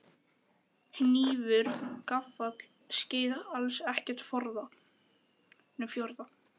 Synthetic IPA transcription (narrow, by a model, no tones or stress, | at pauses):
hniːvʏɾ̥kafːat̪l̥ | scɪːjðalsɛhcɛɾ̥t̪fɔɾða | nʏfjɔɾða